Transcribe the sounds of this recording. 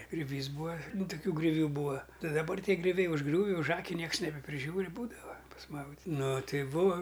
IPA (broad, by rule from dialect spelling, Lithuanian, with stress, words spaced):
ɡrʲʊˈʋʲiːs ˈbuːɐ ˈnʊ tʊˈkʲuː ɡrʲoːˈʋʲuː ˈbuːɐ ˈtɐɪ dɐˈbɐr ˈtʲiɛ ɡrʲʊˈʋʲɛɪ ʊʒˈɡrʲuːʋʲɪ ʊʒˈɑːkʲɪ ˈnʲiɛks nʲɛbʲɛpʲrʲɪˈʒʲuːrʲɪ ˈbuːdɐʋɐ pɐsˈmɐʊdʲɪtʲ ˈnʊ tɐɪ ˈbuːɐ